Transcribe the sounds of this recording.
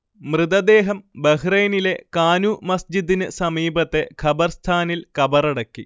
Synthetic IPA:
mrɨd̪ɐd̪e̞ːɦɐmbɐɦrejnile̞kaːnumɐsd͡ʑid̪inɨsɐmiːbɐt̪ːe̞kʰɐbɐrst̪ʰaːnilkɐbɐrɐɽɐkːi

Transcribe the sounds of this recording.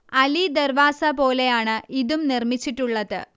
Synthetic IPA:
ɐlid̪ɐrʋaːsɐpo̞ːle̞jaːɳɨʔiðumnirmit͡ɕːiʈːuɭːɐðɨ̰

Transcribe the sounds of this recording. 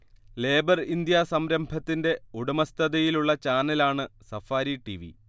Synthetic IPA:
le̞ːbɐrind̪jasɐmɾɐmbʱɐt̪ːinde̞uɽumɐst̪ʰɐðɐjiluɭːɐt͡ɕaːnːɐlaːɳɨsɐfaːɾiʈiʋḭ

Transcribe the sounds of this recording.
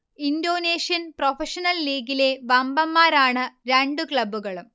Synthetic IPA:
indo̞ːneːʂijɐnprofʰeʂɐnɐlːiːɡile̞ʋɐmbɐmːaːɾaːɳɨɾeɳɖukɭɐbːuɣɐɭum

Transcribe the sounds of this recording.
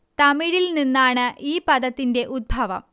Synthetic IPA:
t̪ɐmiɻilninːaːɳɨʔiːpɐðɐt̪ːinde̞ʔud̪̚bʱɐʋɐ̰m

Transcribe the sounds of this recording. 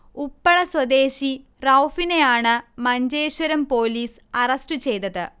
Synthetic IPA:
upːɐɭɐswɐd̪e̞ːɕi | rɐwfine̞jaːɳɨmɐɲd͡ʑe̞ːɕwɐɾɐmpo̞ːliːs | ɐrɐstɨt͡ɕe̞jt̪ɐðɨ

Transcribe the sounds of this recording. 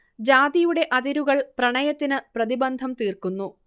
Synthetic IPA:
d͡ʑaːd̪ijuɽe̞ʔɐðiɾuɣɐɭprɐɳɐjɐt̪ːinɨprɐðibɐnd̪ʱɐmt̪iːrkunːu

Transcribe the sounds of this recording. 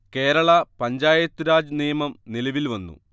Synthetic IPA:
ke̞ːɾɐɭɐpɐɲd͡ʑaːjɐt̪ːuɾaːd͡ʑniːjɐmɐmnilɐʋilʋɐnːṵ

